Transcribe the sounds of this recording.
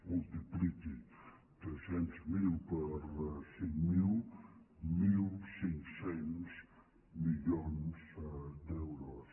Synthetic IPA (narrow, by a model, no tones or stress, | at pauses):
mulˠt̪iplit̪i | t̪ɾesẽnt̪zmilpəɾsĩŋkmil | milsĩŋksẽns | miʎonsd̪ɛwɾɔs